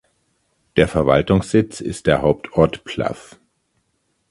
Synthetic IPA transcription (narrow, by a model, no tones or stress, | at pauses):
d̥eːɐfɛɐva̰ltʊŋsz̥ɪt͡sɪ̰st̚d̥eːɐɦaʊp̚tʰɔɐtpʰla̰f